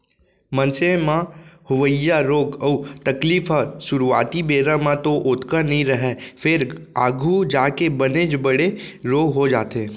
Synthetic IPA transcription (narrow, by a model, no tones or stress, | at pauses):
mɐ̃nsemãhʊʋəjaɾoːɡəːt̪ɐkliːfaʃʊɾua̰ːt̪ibeːɾamãt̪oʔʊt̪kənɐɦĩɾɐɦefʰɪɾaːɡʱud͡ʒaːkebɐned͡ʒbɐɽeɾoːɡɦod͡ʒa̰ːt̪eː